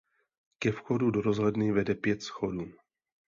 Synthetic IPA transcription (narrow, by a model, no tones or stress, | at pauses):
kɛfxodudoɾozlɛdnɪvɛdɛpjɛt̪sxoduː